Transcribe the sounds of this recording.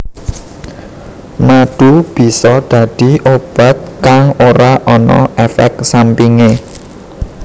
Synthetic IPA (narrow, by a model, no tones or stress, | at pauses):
maɖ̪̥ub̥i̤sɔd̪̥ä̤d̪̥i̤ʔob̥a̤t̪̚kaŋoɾaʔɔnɔ̰ʔɛfɛ̰ksampiŋe